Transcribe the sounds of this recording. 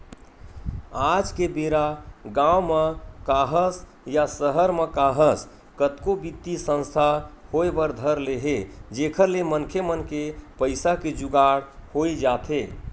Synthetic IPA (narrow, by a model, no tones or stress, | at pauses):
ad͡ʒkebeɾaɡãwmekaɦəs | jasəɦəɾmekaɦəs | kət̪kobit̪ːisə̃nst̪ʰahoebəɾd̪ʱəɾleɦed͡ʒekʰəɾlemənkʰemənkepəɪsaked͡ʒuɡaɽhoid͡ʒat̪ʰe